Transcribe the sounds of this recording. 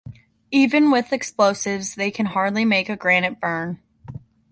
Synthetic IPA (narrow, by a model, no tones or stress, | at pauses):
ivɨ̃nwɪðɨksploʊsɪvzðeɪkʰɨ̃nhɑɹdˡlimeɪkɨɡɹænɨt̚b̥ɜ̃˞n